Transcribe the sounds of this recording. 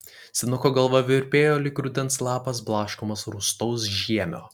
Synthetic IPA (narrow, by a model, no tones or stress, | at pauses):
sʲɪnʊkoːɡɐlˠʋɐʋʲɪɾʲpʲeːjoːlʲɪkɾʊd̪ʲɛnslˠɑːpɐs̬blˠɑːʃkʊmɐsɾʊst̪ɔʊs̬ʒʲiɛmʲo̰ː